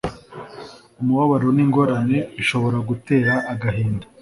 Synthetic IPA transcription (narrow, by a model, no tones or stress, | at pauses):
umuwaβaɾo̞niːŋɡo̞ɾane̞iʃo̞βo̞ɾaɡute̞ːɾaʔːɡaɦiːndḁ